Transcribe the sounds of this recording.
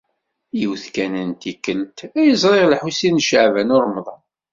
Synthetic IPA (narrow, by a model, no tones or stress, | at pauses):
jəwθkænənt̪ikːəlt̪æjəzˤɾˤeʁlħusinʃəʕvænʊɾˤmðˤɑn